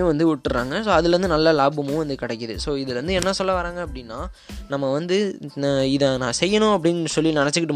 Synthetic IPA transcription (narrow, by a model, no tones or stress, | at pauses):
jʊ̃ʋɐnd̪ɯʊʈːɯɾa̰ːŋɡɐsoːɐðɯlɾɐnd̪ɯnɐlːɐlaːbɯmʊ̃ʋɐnd̪ɯkɪɽɛkːɯðɯ̰soːɪðɯlɾɐnd̪ɯɛnːɐsɔlːɐʋaːɾaːŋɡɐːpːɐɽɪnːaː | nɐmːɐʋɐnd̪ɯ | ɪðɐnãːsɛjːɐnʊ̃ɐp̬ːɐɽɪnɯsɔlːinɪnɛt͡ʃːɯkːɪʈːɯm